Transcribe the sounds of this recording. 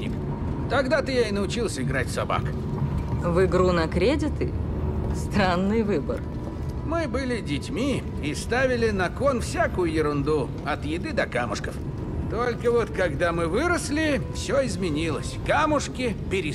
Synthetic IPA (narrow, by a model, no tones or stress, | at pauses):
nʲɪ̰k | t̪ɐɡd̪at̪ɨjaɪnəʊt͡ɕilˠsʲəɪɡɾatʲsɐba̰k | vɨɡɾunɐkɾʲedʲɪt̪ɨ̰st̪ɾanːɨjvɨbə̰r | mɨbɨlʲɪdʲɪtʲmʲi | ɪst̪avʲɪlʲɪnɐkonfsʲakʊjʊjɪɾʊnd̪u | ɐt̪jɪd̪ɨd̪ɐkamʊ̰ʂkəf | t̪olʲkəvo̞t̪kɐɡd̪amɨvɨɾəslʲɪfsʲoɪzmʲɪnʲilˠəsʲkamʊʂkʲɪpʲɪɾʲɪ